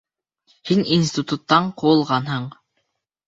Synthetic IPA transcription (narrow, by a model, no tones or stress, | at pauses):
hinins̬ʲt̪ɪt̪ut̪ːɑɴqʰŭlˠʁɑnɦɤɴ